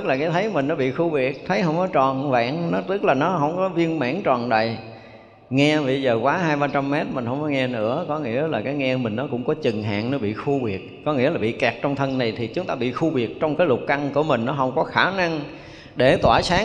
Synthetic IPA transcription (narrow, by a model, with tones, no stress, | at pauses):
t̪ɨ˦˥k̚laː˨˩kaː˨˦jt̪ʰə˨˦jmï˨˩ŋ̟nɔ˨˦ɓḭ˧˨xu˧vi˨˩ək̚t̪ʰə˨˦jɦə˧wŋ͡mkɔ˨˦t͡ɕɔ˨˩nva̰ː˧˨nnɔ˨˦t̪ɨ˦˥k̚laː˨˩nɔ˨˦ɦə˧wŋ͡mkɔ˨˦vi˧ənma̰ː˧˥nt͡ɕɔ˨˩nɗa̰ː˨j | ŋɛ˧ɓə˧jzəː˨˩kwaː˨˦ɦaː˧jɓaː˧t͡ɕa˧mːɛ˦˥t̚mï˨˩ŋ̟hə˧wŋ͡mkɔ˨˦ŋɛ˧nɨ̰˧˥əkɔ˨˦ŋḭ˧˥əlaː˨˩kaː˨˦jŋɛ˧mï˨˩ŋ̟nɔ˨˦kʊ̰˧˥ŋ͡mkɔ˨˦t͡ɕɨ˨˩ŋɦa̰ː˧˨ŋnɔ˨˦ɓḭ˧˨xu˧ɓi˨˩ək̚kɔ˨˦ŋḭ˧˥əlaː˨˩ɓḭ˧˨kɛ˨˩k̚t͡ɕɔ˧wŋ͡mt̪ʰə˧nna˨˩jt̪ʰi˨˩t͡ɕʊ˨˦ŋ͡mt̪aː˧ɓḭ˧˨xu˧ɓi˨˩ək̚t͡ɕɔ˧wŋ͡mkaː˨˦jlʊ˨˩t̚ka˧ŋku˧˩əmï˨˩ŋ̟nɔ˨˦ɦə˧wŋ͡mkɔ˨˦xaː˧˩na˧ŋ | ɗe˧˩t̪waː˧˩saː˨˦